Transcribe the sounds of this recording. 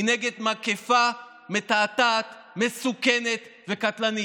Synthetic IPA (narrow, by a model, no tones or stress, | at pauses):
neɡed̪makefa | met̪aːt̪aːt̪ | mesukenet̪vekat̪lani